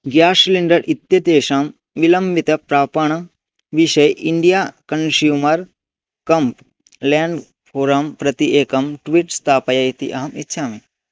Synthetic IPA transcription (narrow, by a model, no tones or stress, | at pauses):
ɡjaːsliɳɖɐɾʔit̪jɐd̪eːʃam | ʋilɐmbit̪ɐpɾaːpɐɳ̃ɐ | ʋiʃɐjʔiɳɖijaːkɐnsjuːmɐɾ | kɐmp | lɛ̃ːɳɖ | pʰoːɾɐmpɾɐt̪iʔeːkɐmʈʋiʈst̪ʰaːpɐjɐit̪ḭʔɐɦɐmḭtːʃʰaːmeː